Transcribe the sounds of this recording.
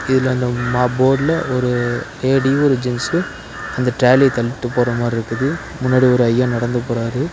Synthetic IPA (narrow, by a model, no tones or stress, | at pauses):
ɪðɪlːɐɐnd̪ɐmaːboːɽlɐɔɾɯeːɽiɔɾɯd͡ʒɪnsɯ | ɐnd̪ɐʈɾaːlit̪ɐɭɪʈ̪ːɯpːoːɾɐmaːɾɪɾɯkːɯðɯ | mʊnːaːɽiɔɾɯɐjːãːnɐɽɐnd̪ɯpoːɾaːɾɯ